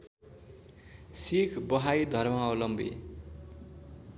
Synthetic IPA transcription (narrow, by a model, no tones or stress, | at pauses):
sikʰbʌɦajd̪ʱʌrmaʌlʌmbʱḭ